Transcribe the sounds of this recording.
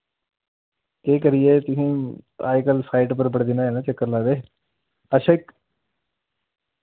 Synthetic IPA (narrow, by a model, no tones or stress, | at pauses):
eːk̬əɾɪjeːt̪ʊsĩːa̰ːikəlsʰaːɪʈpəɾbəɽd̪ɪnaːeːnãːt͡ʃəkːəɾlaːʋ̪eː | əʃəɪk